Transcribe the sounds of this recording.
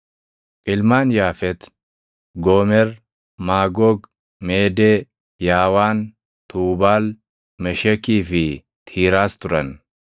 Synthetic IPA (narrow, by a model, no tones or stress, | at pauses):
ʔɪlmaːnjaːfɛt̪ | ɡoːmɛɾ | maːɡɔːɡ | meːd̪e | jaːwaːn | t̪uːbaːl | mɛʃɛkiːfɪ | t̪ʰiːɾaːst̪ʊɾɐn